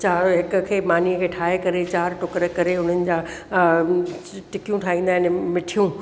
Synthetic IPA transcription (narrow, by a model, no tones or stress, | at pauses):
t͡ɕaːɾɦɪkʊ̆kʰeːmaːniəkʰeːʈʰaːɦekɐɾet͡ɕaːɾʈʊkɾəkɐɾeʊn̤ənɪ̆d͡ʑaː | ʈɪkijũʈʰaːɦĩːnd̪aːɦɪnmɪʈʰijũ